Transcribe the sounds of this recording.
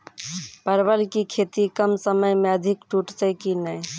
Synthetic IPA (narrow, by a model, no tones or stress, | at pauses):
pəɾbəlkikʰet̪ikəmsəməjmeəd̪ʱikʈuʈt̪əkinəj